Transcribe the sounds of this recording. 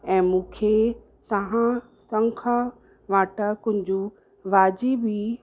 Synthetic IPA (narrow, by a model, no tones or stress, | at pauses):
ɛ̃ːmũːkʰe | t̪ɐɦã | sɐ̃ŋkʰa | ʋaːʈəkʊ̃ɦɪ̃ɲd͡ʑu | ʋaːd͡ʑibi